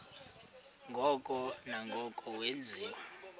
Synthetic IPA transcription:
ŋɡʱɔkʼɔnaŋɡʱɔkʼɔwend͡zʱiːwa

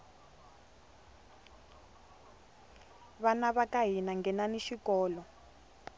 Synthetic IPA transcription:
βanaβakaɦinaŋɡɛnaniʃikɔːlɔ

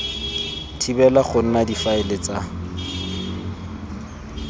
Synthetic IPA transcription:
tʰibɛlaχʊn̩nadifaɪlɪt͡sʼa

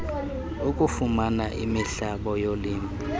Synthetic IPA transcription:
ukʼufumanaʔimiɬaɓɔjoliːmʱu

